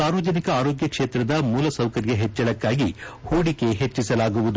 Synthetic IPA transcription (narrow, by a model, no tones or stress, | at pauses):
saːɾʋɐd͡ʒɐnikɐaːɾoːɡjɐkʂeːt̪ɾɐd̪ɐmuːlɐsɐwkɐɾjɐɦet͡ʃːɐɽɐkːaːɡihuːɽike̞ɦet͡ʃːisɐlaːɡuʋud̪u